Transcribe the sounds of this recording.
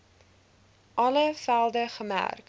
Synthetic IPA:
ʔɐləfælˠdəχəmæ̰rk

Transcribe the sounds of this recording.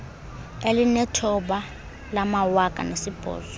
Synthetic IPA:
elinɛtʰɔɓa | lamawakʼa̰nesib̥ʱɔ̰ːzɔ

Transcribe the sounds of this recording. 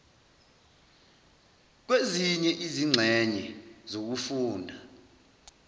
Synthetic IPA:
k̬weziɲɛʔiziŋ͡ǀʱɛɲɛzok̬ufuːndʱa

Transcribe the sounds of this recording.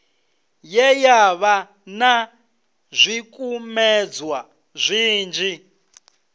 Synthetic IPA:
jɛjaβa | na | zʷikʼumɛd͡zwa | zʷiːnd͡ʒi

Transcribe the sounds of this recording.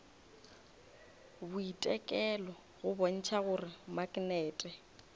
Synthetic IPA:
bʊitʼɛkʼɛlɔ | ɣʊbon̩t͡ʃʰaɣʊrɪmaknɛːtʼɛ

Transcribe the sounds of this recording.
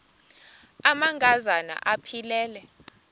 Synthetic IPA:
amaŋɡʱazana̰ʔapʰilɛːlɛ

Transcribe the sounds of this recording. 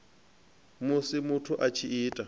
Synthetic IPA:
mʊsɪmʊtʰʊʔat͡ʃʰiiːtʼa

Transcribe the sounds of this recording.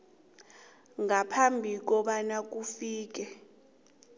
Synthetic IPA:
ŋapʰambʱik̬ɔɓanak̬ufiːk̬ɛ

